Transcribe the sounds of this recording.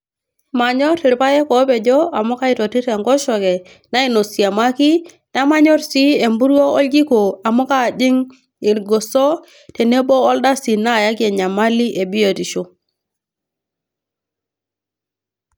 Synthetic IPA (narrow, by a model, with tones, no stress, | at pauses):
ma˨ɲɔ˦tɪ˨ɾpa˦jɛ˦kɔ˨˦pɛ˨d͡ʒɔ˦a˨mɔ˦ka˦i˨tɔ˨ti˦ɾɛ˨ŋɡɔ˦ʃɔ˨kɛ˨ | na˦i˨no˨sa˨ma˦ki˦ | ta˦ma˦ɲɔ˦ɾsi˦e˨mbu˦ɾɔ˦ɔ˦lɡi˦ko˨a˨mo˦ka˦˨d͡ʒɪ˦ŋ | ɪ˨ɾɡo˨sɔ˦ | te˨ne˦bɔː˦lda˦si˨na˦˨ja˦ke˨ɲa˨ma˦li˦ʔe˨bi˦jo˨ti˨ʃo˦